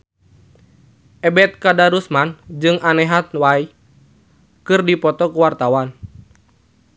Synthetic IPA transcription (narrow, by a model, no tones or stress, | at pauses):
ʔɛbɛt̪̚kadaɾusmand͡ʒɨŋanɛɦat̪̚wai | kɨrdipɔt̪ɔkuwart̪awan